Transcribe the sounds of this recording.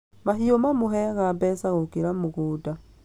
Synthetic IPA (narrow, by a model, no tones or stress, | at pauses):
maɦiomamoɦɛɣabɛːsaɣokeɾamoɣoːda